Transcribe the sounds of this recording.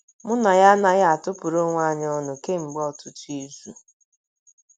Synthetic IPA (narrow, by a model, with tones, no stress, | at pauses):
mʊ˦na˨ja˦na˦ja˦a˨tʊ˦pʊ˨ɾo˦ŋʷa˦˨ɲ˦ɔ˦nʊ˨ke˦m̩˨ɡ͡bɔ˦˨tʊ˨tu˦e˦zu˦